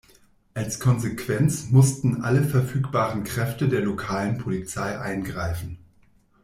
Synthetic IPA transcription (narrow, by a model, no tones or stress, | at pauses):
ʔalskʰɔnzekv̥ɛnt͡smʊstn̩ʔa̰ləfɛɐfyːkb̥aːʁənkʁ̥ɛftədeːɐlokʰaːlənpʰolit͡saɪʔa̰ɪnɡʁaɪfn̩